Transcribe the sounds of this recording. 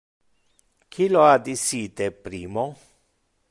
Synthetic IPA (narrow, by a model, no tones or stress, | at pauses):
kʰiload̪isiːt̪epɾiːmo